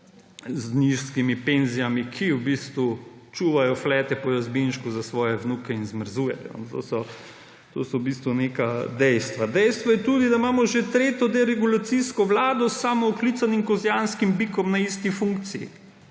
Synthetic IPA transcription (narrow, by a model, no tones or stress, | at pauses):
zniʃskimipenzijamikʰiuwbiːst̪ʋut͡ʃuːʋajɔflɛːt̪ɛpɔjazbinʃkuzasʋɔːjɛʋnukɛinzməɾzuːjɛ̰jɔ̰nt̪o̰ːsɔ | t̪o̰ːsɔbis̬t̪ʋunekad̪ɛjst̪ʋad̪ɛjst̪ʋɔjɛt̪uːd̪id̪amaːmɔʒet̪ɾeːt̪ɔd̪ɛɾɛɡulat̪siskɔʋlaːd̪ɔsːaːmɔɔklit̪sanimkɔzjanskimbikɔmnaist̪ifuŋkt̪sijḭ